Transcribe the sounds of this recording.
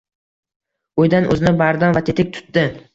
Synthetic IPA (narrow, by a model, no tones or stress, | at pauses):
ojd̪anʔɵ̰zɪnɪbaɾd̪ɒnvat̪ʰet̪ɪk̚ʲt̪ʰʊ̥t̪ːɪ